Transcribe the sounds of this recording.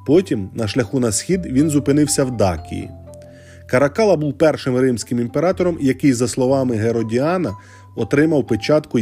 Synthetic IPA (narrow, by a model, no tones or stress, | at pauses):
pɔtʲimnɐʃlʲɐxunɐsxʲid̪ʋʲinzʊpɪnɪwsʲɐwd̪ɑkʲḭjḭ | kɐɾɐkɑlˠɐbuwpɛrʃɪmɾɪmsʲkɪmimpeɾɑt̪ɔɾɔmjɐkɪjzɐslˠɔʋɑmɪɦeɾɔdʲiɑnɐ | ɔt̪ɾɪmɐwpet͡ʃɑt̪kʊ